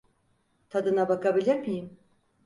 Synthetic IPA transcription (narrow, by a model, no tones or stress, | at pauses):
t̪ʰad̪ɯnabakʰabilʲeɾmijim